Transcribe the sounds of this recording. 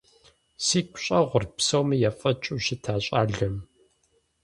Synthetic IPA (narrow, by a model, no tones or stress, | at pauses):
siːkʷʰɕʼɐʁʷʊrpsɐwmɨjɛfʼɐt͡ʃʼʊɕɪtʰaːɕʼaːɮɨm